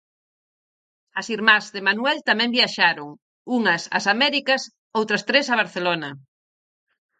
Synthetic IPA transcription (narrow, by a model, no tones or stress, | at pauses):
ɐsiɾmazðɪmanuɛlt̪amɛ̃mbjaʃaɾoŋ | uŋɐsɐ̰samɛɾikɐs | owt̪ɾɐst̪ɾesɐβ̞aɾθelonɐ